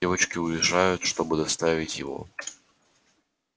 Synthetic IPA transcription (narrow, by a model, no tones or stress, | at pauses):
evət͡ɕkʲɪʊjɪʐajʊt̪ʂt̪o̞bɨd̪ɐst̪avʲɪtʲjɪvo̰